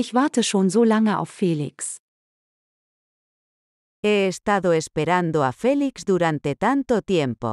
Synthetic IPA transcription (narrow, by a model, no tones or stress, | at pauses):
ɪçv̥aɐtəʃoːnzoːlaŋəa̰ʊfːelḭks | ɛːst̪aðoespeɾand̪oafɛliksd̪uɾant̪et̪ant̪ot̪jɛmpo̰